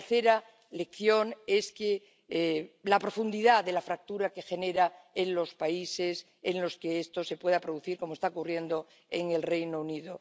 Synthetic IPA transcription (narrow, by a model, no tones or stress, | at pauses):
θe̞ɾa | le̞kθjo̞ŋe̞ske | lapɾo̞fund̪iðaðe̞lafɾak̚t̪uɾake̞xe̞ne̞ɾae̞nlo̞spaise̞s | enlo̞skeest̪o̞se̞pwe̞ðapɾo̞ðuθiɾko̞moest̪aokurje̞nd̪o̞ | e̞ŋe̞lrejnouniðo̞